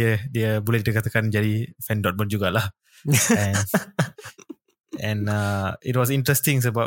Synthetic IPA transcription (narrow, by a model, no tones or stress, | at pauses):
ədiəbolɛd̪it̪əkat̪akand͡ʒadifɛndɔt̪̚mənd͡ʒuɡalah | ɛ̃n | ɛ̃nait̚wɔs̬intɾɛst̪iŋs̬əbap